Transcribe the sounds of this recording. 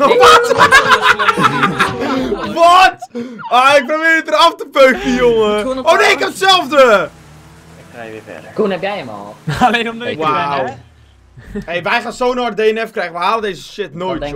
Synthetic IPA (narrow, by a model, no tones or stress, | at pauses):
ɔt | ʋɔtaɪk̚poʋɪːtəraftəpøːkəjoŋəoːnejɪkɛmtsɛlˠfdə | krɛɪfɛ̰dəkunɛpjɛjəmɔ̰lˠalendʋaw | ejʋɛjχaːnsoːnɔr̚dejənɛfkrɛjəʋəhaːlədeːzəʃɪtnojtd